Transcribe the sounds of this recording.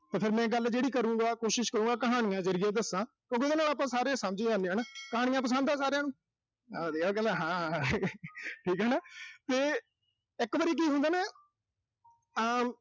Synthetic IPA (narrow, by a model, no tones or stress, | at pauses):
t̪eːpʰɪɾmɛ̃ːɡəld͡ʒeːɽiːkəɾũːɡaːkoːʃɪʃkəɾũːŋɡaːkəɦaːɽ̃ijãːd͡ʒəɾijeːd̪əsːãːkjõːk̬eːd̪eːnaːlaːp̬ãːsaːɾesəmd͡ʒiːd͡ʒãːnd̪eaːnaːkəɦaːɽɪjãːpəs̬ə̃nd̪ãːsaːɾeãːnũː | ad̪eːakɛ̃nd̪aɦãː | ʈʰiːkɦɛːnaːt̪eː | ɪkːʋəːɾiːk̬iːɦʊ̃nd̪aːnaː